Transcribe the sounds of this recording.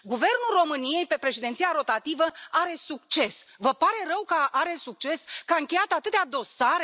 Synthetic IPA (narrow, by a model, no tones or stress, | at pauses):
ɡuve̞rnulro̞mɨnije̞jpe̞pɾe̞ʃid̪ent̪sijaɾo̞t̪at̪ivəaɾe̞suk̚t͡ʃe̞svəpaɾe̞rəwkəʔaɾe̞suk̚t͡ʃe̞skaɨŋkʲe̞jat̪at̪ɨt̪ead̪o̞saɾe